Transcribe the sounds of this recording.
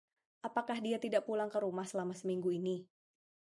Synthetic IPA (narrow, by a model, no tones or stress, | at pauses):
ʔapakahdiat̪idaʔpulaŋkəɾumahsəlamasəmiŋɡuini